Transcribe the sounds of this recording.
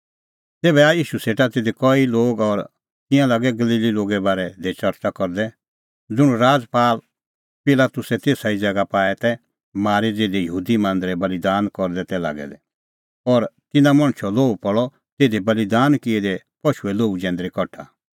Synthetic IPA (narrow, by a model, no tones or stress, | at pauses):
t̪eːbɛaiːʃuseːʈat̪eːd̪ekɔiloːɡɔɾ | t̪ɪ̃jãlaːɡɛɡɐliːliloːɡɛbaːɾɛd̪ɛt͡ʃɐɾt͡ʃakɔɾd̪ɛ | d͡zʊɽ̃uɾaːd͡zpaːl | pɪlaːt̪ʊsɛt̪eːsaid͡zɛɡapaːɛt̪ɛ | maːɾid͡zeːd̪ejəɦuːd̪imãːnd̪ɾɛbɐlid̪aːnkɔɾd̪ɛt̪ɛla̰ːɡɛ̰lɛ̰ | ɔɾt̪ɪnãmɔ̃ɽ̃t͡ʃʰɔloːupɔɭɔ | t̪eːd̪ebɐlid̪aːnkiɛd̪ɛ | pɔʃuɛloːud͡ʒɛ̃ːnd̪ɾikɔʈʰa̰